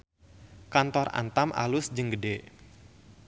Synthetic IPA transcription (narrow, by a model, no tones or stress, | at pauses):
kant̪ɔra̰nt̪amʔa̰lʊsd͡ʒəŋɡəde